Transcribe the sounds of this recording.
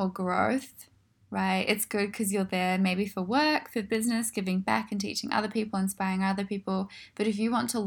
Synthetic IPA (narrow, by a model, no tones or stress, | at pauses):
əɡɹoʊθ | ɹaɪtɨ̰tsɡ̥ʊd̚kʰʌzjə˞ðə˞meɪbifəwɜ˞kfə˞bɪznɨsɡ̥ɪvɪ̃ŋbæ̰kɨ̃ntḭt͡ʃɪ̃ŋʔʌ̰ðə˞pʰipl̩ˠə̃nspaɪɹɪ̃ŋʌðə˞pʰipl̩ˠb̥ʌɾɨfjɨwɑ̃ntʰəl